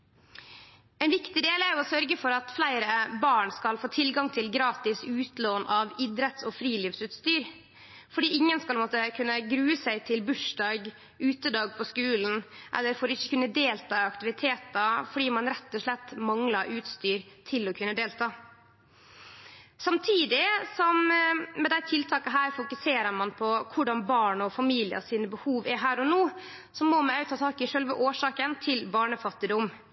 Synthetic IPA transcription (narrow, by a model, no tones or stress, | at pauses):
ɛnʋɪkt̪ɪd̪eːlæːɾjʊoːsœɾɡəfɔɾɑt̪flæɪɾəbɑːɳskɑlfoːt̪ʰɪlɡɑŋt̪ʰɪlɡɾɑːt̪ɪsʉːt̪loːnʔɑʋid̪ɾət̪sɔːfɾiːliːʋsʉːt̪st̪yːɾ | fɔɖiːɪŋːənskɑlmɔt̪əkʰʉnːəɡɾʉːəsæɪt̪ʰɪlbʉʂɖɑːɡ | ʉːt̪əd̪ɑːɡ̚pʰɔskʉːln̩ʔɛ̰lːəɾfoːɾɪçəkʉnːəd̪eːlt̪ʰɑːɑkt̪ɪʋɪt̪ʰeːt̪ɑfɔɖiːmɑnɾɛt̪ːɔʂlɛt̪ːmɑŋlɑɾʉːt̪st̪yːɾt̪ʰɪlːɔkʰʉnːəd̪eːlt̪ʰɑː | sɑmt̪ʰiːd̪ɪsɔmːɛd̪æɪt̪ʰɪlt̪ʰɑːkəɦæːɾfʊkʉseːɾəɾmɑnpʰɔkʰʊɖɑnbɑːɳɔfɑmiːlɪɑ̰siːnəbəhuːʋɛɦæːɾɔnoː | sɔmɔmɛœʉt̪ʰɑːt̪ʰɑːkɪʂœlʋəʔoːʂɑːkənt̪ʰɪlbɑːɳəfɑt̪ːɪd̪ʊm